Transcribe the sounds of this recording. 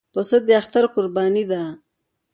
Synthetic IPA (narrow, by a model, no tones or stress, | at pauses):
pəsad̪eaxt̪aɾkʊɾbɑːnid̪a